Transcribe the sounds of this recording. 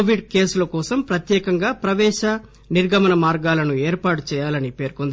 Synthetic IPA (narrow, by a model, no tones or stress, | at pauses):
oʋiɖke̞ːsulɐkɔːsɐmpɾɐt̪jɛːkɐŋɡaːpɾɐʋɛːʃɐ | niɾɡʱɐmɐnɐmaːɾɡaːlɐnueːɾpaːʈut͡ʃɛːjaːlɐnipe̞ːɾkond̪i